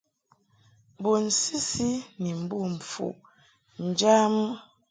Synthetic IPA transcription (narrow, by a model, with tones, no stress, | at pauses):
bo˨n̩˨si˦si˦ni˨m̩˨bu˦˨m̩˨fṵ˨ | n̩˨d͡ʒa˦m˦